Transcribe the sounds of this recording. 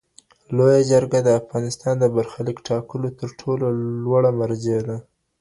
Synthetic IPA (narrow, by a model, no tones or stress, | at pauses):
lojad͡ʒəɾɡad̪əafɣɑnɪst̪ɑnd̪əbaɾxalikʈʰɑkəlot̪əɾʈʰololwaɽamaɾd͡ʒed̪a